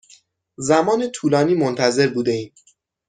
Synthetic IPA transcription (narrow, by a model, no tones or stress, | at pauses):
zæmɒːnet̪ʰuːlɒːniːmont̪ʰæze̞ɾbuːd̪eiːm